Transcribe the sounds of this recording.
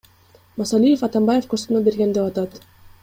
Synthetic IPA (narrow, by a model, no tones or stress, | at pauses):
mɑsɑlʲijefɑt̪ɑmbajefkosunobeɾɡend̪epɑt̪ɑt̪